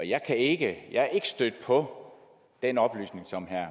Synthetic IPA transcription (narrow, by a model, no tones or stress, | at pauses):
ɒjɑ̈ɪkʰæe̝ɡ̥əjäkʰːe̝ɡ̥əsd̥ød̥əpʰɒ̽ | d̥enɒ̽b̥ly̰ːsne̝ŋsɒ̽mɦæɐ̰